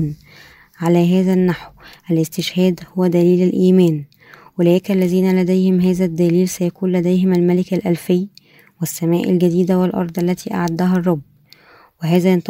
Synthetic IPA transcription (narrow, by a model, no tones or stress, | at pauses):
n | ʕalæɦæːzænːaħwʔælʔɪst̪ɪʃhæːd̪howːæd̪æliːlælʔiːmæːn | welæːkælːæziːnælæd̪æjhɪmɦæːzæd̪ːæliːlsæjækuːnlæd̪æjɦɪmælmælɪkælʔælfejː | wɪsːæmæːʔælɡæd̪iːd̪æwelʔɑ̰ɾˤd̪ˤʔælːæt̪ʰiːʔa̰ʕad̪ːæɦɑrˤːɑbː | weɦæːzæjnt̪